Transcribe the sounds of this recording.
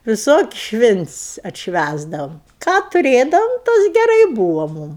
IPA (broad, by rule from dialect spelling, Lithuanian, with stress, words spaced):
ʋʲɪˈsoːkʲɪsʲ ˈʃʲʋʲɪnʲtʲsʲ ɐtʲʃʲˈʋʲæzdɐʋoːm kɑː tʊˈrʲeːdɐʋoːm ˈtɐs ɡʲɛˈrɐɪ ˈbuːʋɐ ˈmʊm